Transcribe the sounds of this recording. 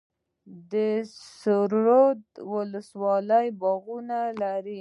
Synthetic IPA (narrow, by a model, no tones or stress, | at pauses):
d̪əsʊɾɾod̪wʊləswɑləjbɑɣunalaɾi